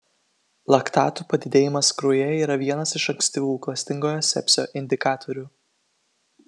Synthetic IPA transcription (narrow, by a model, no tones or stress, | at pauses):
lˠɐkt̪ɑ̰ːt̪uːpɐd̪ʲɪd̪ʲeːjɪmɐskɾujɛiːɾɐʋʲiɛnɐsɪʃɐŋʲksʲt̪ʲɪʋʲuːklˠɐsʲt̪ʲɪŋɡoːjosʲɛ̰pʲsʲo̰ːʔɪnʲd̪ʲɪkɑːt̪ʰɔɾʲuː